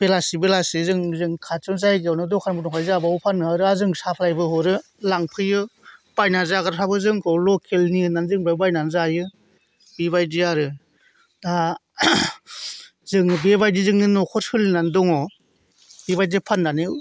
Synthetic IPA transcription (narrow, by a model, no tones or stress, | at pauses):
b̥elasibelasizɯŋzɯŋkʰat͡ʃɯnzajɡawnɯdɔkʰanbɯnɔkʰajzabɯawpʰanːɯaɾɯazɯŋsapʰlajbɯɦɔɾɯ | laŋpʰɯjɯb̥ajnazaɡaɾtʰabɯzɯŋkʰɯwlɔkʰelniɯnanzɯŋbabajnanzajɯ | bibajdiaɾɯ | da | zɯŋbebajdizɯŋnɯnɔkʰɔɾsɯlnandɔŋɔ | beβajdipʰanːanɯ